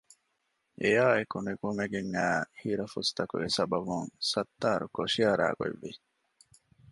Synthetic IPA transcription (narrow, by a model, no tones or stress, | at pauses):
ʔejaːekuneɡumeɡeŋːæːhiːɾɐfust̪ɐkṵɡesɐbɐbuŋsɐt̪ːaːɾukoʃiɐɾa̰ːɡo̰ḛʋːi